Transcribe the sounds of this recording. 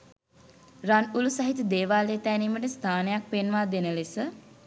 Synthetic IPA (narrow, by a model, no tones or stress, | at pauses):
ranulusaɦit̪əd̪eːʋaːleːt̪æːniːməʈəst̪ʰaːnejak̚penʋaːd̪enəlesə